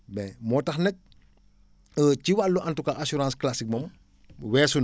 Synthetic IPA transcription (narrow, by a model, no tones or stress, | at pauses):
bɛmɔtɐxnɛk̚ | ət͡ʃiwalːuʔantukaʔasuɾãːsklasik̚mɐm | wɛːsun